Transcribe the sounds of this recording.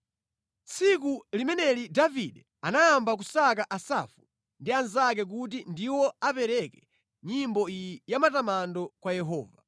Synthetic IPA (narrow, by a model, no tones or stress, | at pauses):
t͡sʰikulimɛnɛlidaviɗɛ | anajambak̬usakaʔasafu̥ | ndianzak̬ɛk̬ut̬indiwɔapɛɾɛkɛ | ɲimbɔijijamatamandɔkwajɛɦɔ̰ːva